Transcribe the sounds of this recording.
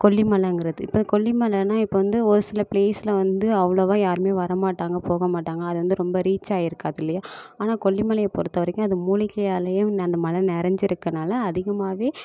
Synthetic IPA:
kɔɭːimɐlɐŋɡɪɾɐðɯɪpːɐkɔɭːimɐlɐnaːɪpːoːʋɐnd̪ɯɔɾɯsɪlɐpleːsɪlɐʋɐnd̪ɯɐʋɐɭoʋaːjaːɾɯmeːʋɐɾɐmaːʈːaːŋɡɐpoːɣɐmaːʈːaːŋɡɐːðɯʋɐnd̪ɯɾɔmbɐɾiːt͡ʃːaːjɪɾɯkːaːðɪlːɐjaːaːnaːkɔɭːimɐlɐjɐpɔɾɯt̪ːɐʋɐɾɛkʲːʊ̃ɐðɯmuːɭɪkːɐjaːlɐjʊ̃nɐnd̪ɐmɐlɐnɛɾɐɲd͡ʒɪɾɯkːɐnaːlɐːðɪɣɐmaːʋeː

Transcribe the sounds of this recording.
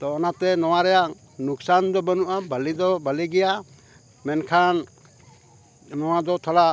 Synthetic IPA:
t̪ɔːnat̪ɛnɔwaɾɛja | nuksand̪ɔbənuʔabəlid̪ɔbəliɡɛja | mɛnkʰan | nɔwad̪ɔt̪ʰɔla

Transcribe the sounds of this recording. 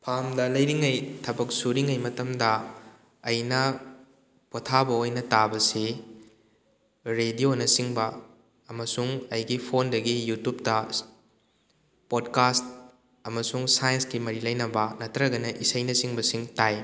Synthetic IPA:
pʰamdɐlɐjɾiŋɐjtʰɐbɐk̚suɾiŋɐjmɐtɐmdɐː | jnɐ | potʰabɐojnɐtabɐsi | ɾedionɐsiŋbɐː | mɐsuŋɐjɡipʰondɐɡijutup̚tɐ | pod̚kast̚ | ɐmɐsuŋsajɐnskimɐɾilɐjnɐbɐnɐtʰɾɐɡɐnɐʔisɐjnɐsiŋbɐsiŋtaj

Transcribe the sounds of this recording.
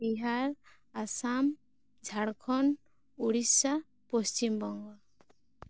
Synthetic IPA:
biɦaɾ | asam | d͡ʒʱaɽkʰɔn | uɽisa | post͡ʃimbɔŋɡɔ

